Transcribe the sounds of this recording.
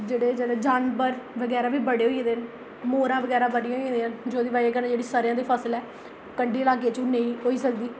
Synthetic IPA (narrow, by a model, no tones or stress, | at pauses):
d͡ʒeːɽeːd͡ʒeːɽed͡ʒaːnbəɾʋəɡɛːɾaːʋiːbəɽeːɦoːiẽːd̪en | moːɾãːʋəɡɛːɾaːbəɽijãːɦoiẽːd̪eːənd͡ʒoːd̪iːbaːiɡəɾnd͡ʒeːɽiːsəɾjãːd̪iːpʰəsəlɛː | kəɳɖiːəlaːɡeːt͡ʃːnẽĩːɦoːiːsəkd̪iː